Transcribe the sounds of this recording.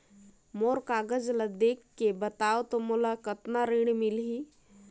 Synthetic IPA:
moɾkaːɡəd͡ʒlad̪ekːebət̪aot̪omulakət̪naɾiɽ̃milɦi

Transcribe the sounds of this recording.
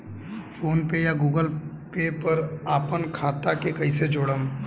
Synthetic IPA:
foːnpejaɡuːɡəlpepɐɾaːpənkʰaːt̪akekɐised͡ʒoːɽəm

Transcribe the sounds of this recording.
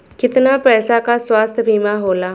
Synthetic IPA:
kɪt̪napɾɛːsakaswaːst̪ʰbʱiːmaɦoːlaː

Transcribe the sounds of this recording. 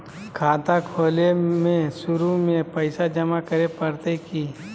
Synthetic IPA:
kʰaːt̪akʰoːlemẽʃʊɾumẽpɐɪsad͡ʒɐmakəɾepəɾt̪ekiː

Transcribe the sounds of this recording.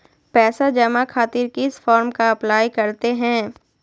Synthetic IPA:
pɛːsad͡ʒɐmakʰaːt̪ɪɾkɪsfɔːɾmkaɐplaːjkɐɾt̪eɦɛ̃ː

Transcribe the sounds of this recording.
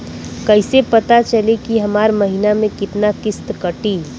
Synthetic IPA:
kɐɪsepɐt̪at͡ʃɐlekiɦɐmaːɾmɐɦinamẽkɪt̪nakɪst̪kɐʈiː

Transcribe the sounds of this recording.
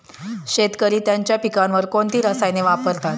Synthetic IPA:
ɕet̪kəɾiːt̪jaɲt͡ɕjapikãnʋəɾkoɳt̪iːɾəsajneʋapəɾt̪at̪

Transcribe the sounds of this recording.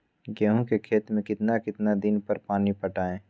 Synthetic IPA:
ɡɛɦõkekʰeːt̪mẽkɪt̪nakɪt̪nad̪ɪnpəɾpaːnipəʈaːẽː

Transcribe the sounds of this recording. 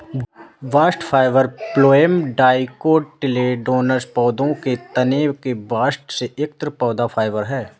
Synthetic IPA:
ʋaːsʈfʰaːɪʋəɾploːemɖaːɪkoːɖʈɪleɖoːnəɾspɔːd̪õket̪ɐneːwkebaːsʈseʔek̚t̪ɾəpɔːd̪apʰaːɪʋəɾɦɛː

